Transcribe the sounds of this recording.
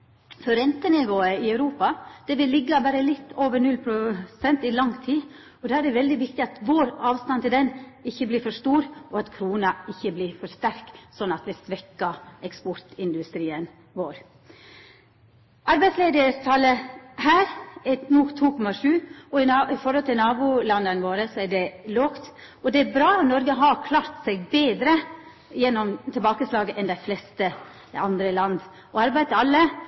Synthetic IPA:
fɔɾɾɛnt̪ənɪʋoːəɪœʉɾuːpɑd̪̥ɛʋɪlːɪɡːɑbæːɾəlɪt̪ːoːʋəɳʉlpʰɾʊsɛnt̪ɪlɑŋːt̪ʰiː | ɔd̪æːæɖɛʋɛld̪ɪʋɪk̚t̪ɪɑt̪ʋoːɾɑːʋst̪ɑnt̪ɪld̪ɛnɪçːəbliːɾfɔʂt̪uːɾɔɑt̪kʰɾuːnɑɪçːəbliːɾfɔʂt̪æɾksɔnːɑt̪ʋɪsʋɛkːɑɛkspɔɾt̪ɪnd̪ʉst̪ɾiːən | ʋoːɾ | ɑɾbæɪsleːd̪əɾst̪ʰɑlːəhæːɾɛnuːt̪ʰuːkʰɔmɑʂʉːɔɪɪfɔɾhɔlt̪ʰɪlnɑːbulɑnd̪ənʋoːɾəsɔæɖɛloːkt̪ | ɔd̪ɛæɾbɾɑːɔnɔɾɡəɦɑkʰlɑːɾt̪sɛɡ̚beːd̪ɾə | jɛnːɔmt̪ʰɪlbɑːkəslɑːɡəʔɛnd̪æɪflɛst̪ə | ɑnd̪ɾəlɑnd̪ | ɔɑɾbæɪt̪ɑlːə

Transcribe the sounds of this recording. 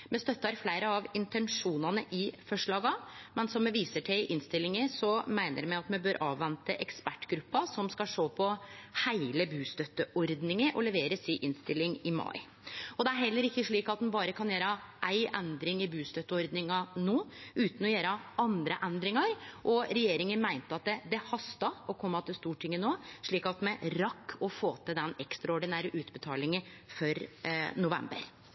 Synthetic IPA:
mɛst̪œt̪ːɑɾflæɪɾəɑʋɪnt̪ɛnʂuːnɑnəʔɪfɔʂɭɑːɡɑmɛnsɔmːɛʋiːsəʈʰæɪʔɪnst̪ɪlːɪŋəsɔmæɪnə̰ɾmɛɪɑt̪mɛbøːɾʔɑ̰ːʋʋːɛnt̪əʔɛkspæʈːɡɾʉpːɑsɔmskɑʂoːpʰɔhæɪləbʉːst̪œt̪ːəʔɔɾd̪nɪŋəʔɔlɛʋeːɾəsɪʔɪnst̪ɪlːɪŋɪmɑ̰ɪ | ɔd̪ɛæɾɦɛlːəɾɪkːəʂɭiːkɑt̪̚d̪nbɑːɾəkʰɑnjeːɾɑʔæɪʔɛnd̪ɾɪŋɪbʉːst̪œt̪ːəɔɾd̪nɪŋɑnoːʉːt̪n̩ɔjeːɾɑɑnd̪ɾəʔɛnd̪ɾɪŋɑɾʔɔɾɛjeːɾɪŋənmæɪnt̪əɑt̪̚d̪ɛd̪ɛhɑst̪ɑɔkʰɔmːɑt̪ʰɪst̪uːʈʰɪŋːənoːʂɭiːkɑt̪mɛɾɑkʰːɔfoːt̪ʰəd̪ɛnɛkst̪ɾɑɔɖɪnæɾəʔʉːt̪bət̪ʰɑ̰ːlɪŋə | fɔɾnʊʋɛ̰mbə̰ɾ

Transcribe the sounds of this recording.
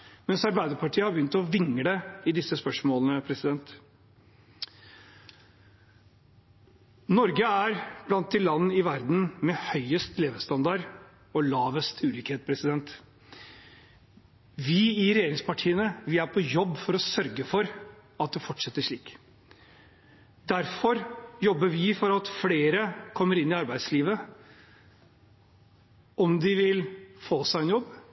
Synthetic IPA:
mɛnsɑɾbæɪd̪əɾpʰɑʈʰiːəhɑɾbjʏnt̪ɔʋɪŋːəɖ̪ɛɪd̪ɪsːəspœʂmoːlənəpʰɾɛsɪd̪ɛnt̪ | nɔɾɡəæɾb̥lɑnt̪̚d̪ɪlɑnːəɪʋæɾd̪n̩mɛhœʏəst̪leːʋəst̪ɑnd̪ɑɾ | ɔlɑːʋəst̪ʰʉːliːkheːt̪̚pʰɾɛsɪd̪ɛnt̪ | ʋɪɪɾɛjeːɾɪŋspɑʈʰiːənəʋɪæɾpʰɔjɔbːfɔɾɔsœɾɡəfɔɾɑt̪̚d̪ɛfɔʈːʂɛt̪ːəʂɭiːk | d̪æɾfɔɾjɔbːəʋɪfɔɾɑt̪fleːɾəkʰɔmːəɾɪnːɪɑɾbæɪd̪sliːʋə | ɔmd̪ɪʋɪlfoːsæɪɛnjɔbː

